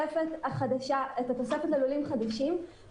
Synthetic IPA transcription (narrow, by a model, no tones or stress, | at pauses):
efet̪aχad̪aʃaet̪ato̞sefet̪lelulimχad̪aʃim